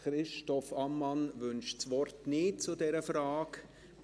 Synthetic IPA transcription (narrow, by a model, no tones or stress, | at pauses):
χɾɪʃtɔfɑmːɑnvʏnʃt͡sʋɔrtnɪːt̚t͡sʊdɛɾəfraːk